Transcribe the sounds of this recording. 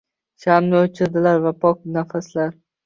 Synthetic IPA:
ʃamnɪɵt͡ʃʰɪɾd̪ɪlaɾvapʰɒknafaslaɾ

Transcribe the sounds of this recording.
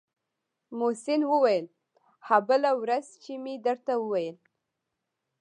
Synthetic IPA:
mosɪnwəwajəl | habəlawɾazt͡ʃemid̪əɾt̪awəwajəl

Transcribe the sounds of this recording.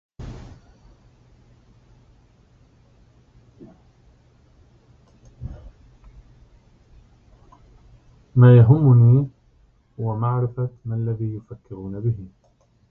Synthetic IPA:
maːjaɦʊmːʊnuː | hʊwamaʕɾɪfamaʔalːaðiːjʊfakːɪɾuːnabɪɦɪ

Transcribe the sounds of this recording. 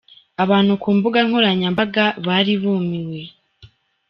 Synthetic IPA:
aβaːn̥hukuːmbuɡaŋhoɾaɲambaɡaβaɾiβuːmiwe̞

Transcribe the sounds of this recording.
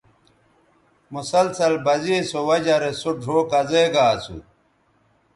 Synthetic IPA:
musɐlsɐlbɐzisowɐd͡ʑɐɾesoɖʱoːkɐzeɡaːsṵ

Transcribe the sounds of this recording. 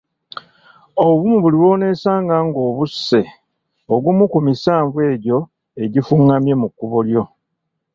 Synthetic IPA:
oβuβumuβuliwo̞ːne̞ːsaːŋɡaŋɡo̞ːβusːe̞ | oɡumukumisaːɱvwe̞ːɟo̞ | e̞ɟifuŋɡamje̞mukːuβoljo̞

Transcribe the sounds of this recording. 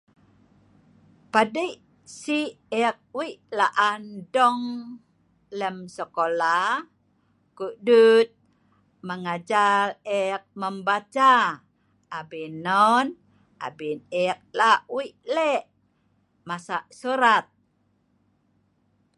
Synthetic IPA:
padiʔ | si | ɛk̚wiʔlaʔandɔŋ | ləmsəkola | kudut̪̚ | məŋad͡ʒalɛk̚məmbat͡ʃaː | binːɔn | ʔa̰binɛk̚laʔwiʔlɛʔ | masaʔsuɾat̪̚

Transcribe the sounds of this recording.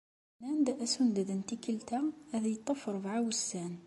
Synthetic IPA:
nænd̪æʔæsund̪æd̪ənt̪ikəlt̪æhæðæjt̪ˤːəfəɾˤvʕawəsːæn

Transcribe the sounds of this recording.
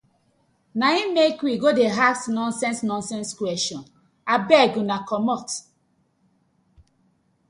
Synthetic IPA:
naĩmekwiɡodeɦaksnɔ̃nsɛ̃nsnɔ̃nsɛ̃nskwɛʃɔ̃n | abɛɡũnakɔmɔt

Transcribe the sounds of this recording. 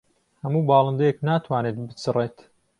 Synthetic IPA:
hɐmuːbɑːlˠɨnd̪əjeknaːt̪ʰwaːneːt̪̚bɨt͡sɨreːt̪

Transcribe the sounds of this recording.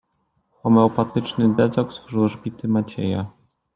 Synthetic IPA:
xɔmɛɔpat̪ɘt͡ʂnɘd̪ɛzɔɡsfuʐɘwʐbʲit̪ɘmat͡ɕḛja̰

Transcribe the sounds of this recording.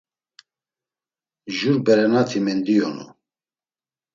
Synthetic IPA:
ʒuɾbɛɾɛnat̪ʰimɛnd̪ijɔnṵ

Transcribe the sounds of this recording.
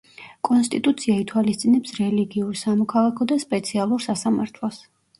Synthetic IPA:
kʼɔnst̪ʼit̪ʼut̪sʰiait̪ʰwalist̪sʼinɛpsɾɛliɡiuɾsamɔkʰalˠakʰɔd̪aspʼɛt̪sʰialˠuɾsasamaɾt̪ʰlˠɔs

